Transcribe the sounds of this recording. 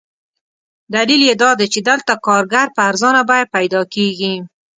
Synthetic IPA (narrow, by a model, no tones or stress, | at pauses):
d̪aliljed̪ɑd̪et͡ʃed̪əlt̪akɑɾɡaɾpəaɾzɑnabɑjad̪̚pajd̪ɑkeɡi